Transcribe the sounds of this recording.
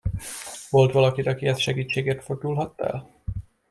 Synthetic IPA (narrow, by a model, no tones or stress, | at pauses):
vo̞lt̪ʋɒlɒkid̪ɒkiɛst̪ʃɛɡiːt͡ʃːeːɡeːrt̪ford̪ulɦɒt̪ːɛ̰l